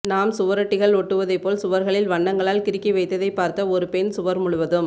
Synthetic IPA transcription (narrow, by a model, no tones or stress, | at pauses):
naːmsʊʋɐɾɐʈːɪɣɐɭɔʈːɯʋɐðɐɪpːoːlsʊʋɐɾɣɐɭɪlʋɐɳːɐŋɡɐɭaːlkɪɾɪkːiʋɐɪt̪ːɐðɐɪpːaːɾt̪ɐɔɾɯpɛnsʊʋɐɾmʊɭʊʋɐðɯm